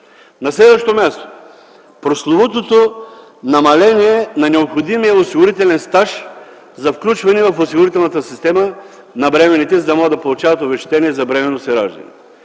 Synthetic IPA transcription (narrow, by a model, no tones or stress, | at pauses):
nɐslɛd̪vəʃt̪omʲjast̪o̥ | pɾoslˠovot̪ot̪o | nɐmɐlɛniɛnɐnɛopxod̪imijɐosiɡʊɾit̪ɛlɛnst̪aʃ | zɐfklʲut͡ʃvɐnɛvɐfosiɡʊɾit̪ɛlˠnɐt̪əsist̪ɛmə | nɐbɾɛmɛnit̪ɛzɐd̪ɐmɔɡəd̪ɐpolˠʊt͡ʃavɐt̪ovɛʃt̪ɛniɛzɐbɾɛmɛnosɛɾaʒd̪ɐ̰nɛ̰